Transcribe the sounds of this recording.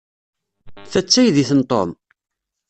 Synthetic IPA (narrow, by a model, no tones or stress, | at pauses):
θæt͡sːæjðiθənt̪ˤo̰m